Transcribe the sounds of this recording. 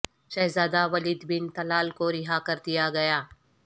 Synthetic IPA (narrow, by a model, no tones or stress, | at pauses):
ʃɛɦzaːd̪aʋɐliːd̪bɪnt̪ɐlaːlkoɾɪɦakɐɾd̪ijaɡɐjaː